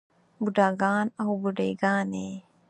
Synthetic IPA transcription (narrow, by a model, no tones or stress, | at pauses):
buɖaːɡaːnɐɦubuɖeːɡaːneː